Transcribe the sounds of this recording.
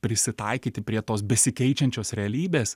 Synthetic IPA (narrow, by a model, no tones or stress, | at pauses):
pʲɾʲɪsʲɪt̪ɐɪkʲiːt̪ʲɪpʲɾʲiɛt̪oːsbʲɛsʲɪkʲɛɪt͡ʃʲɛnʲt͡ʃʲoːsɾʲɛɐlʲiːbʲeːs